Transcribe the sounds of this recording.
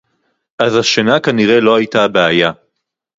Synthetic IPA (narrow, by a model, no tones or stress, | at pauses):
ʔazhaʃenakaniʁe̞lo̞hajtabeaja